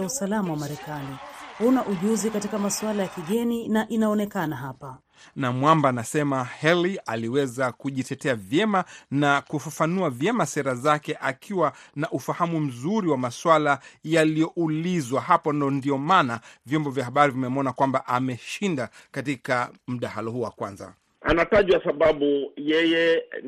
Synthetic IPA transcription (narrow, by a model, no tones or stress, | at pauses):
usalamawamaɾɛkanihunaʔuʄuzikatikamaswalajakiɠɛninaʔinaɔnɛkanaɦapa | namwambaːnasɛmahɛlialiwɛzakuʄitɛtɛavjɛmanakufafanuavjɛmasɛɾazakɛʔakʰiwanaʔufahamum̩zuɾiwamaswalajalijɔʔulizwahapɔndɔndiɔmanavjɔmbɔvjahɦaɓaɾivimɛmɔnakwambaʔamɛʃindakatikam̩ɗahalɔhuːwa̰kwanza̰ | a̰nataʄwasaɓaɓujɛjɛ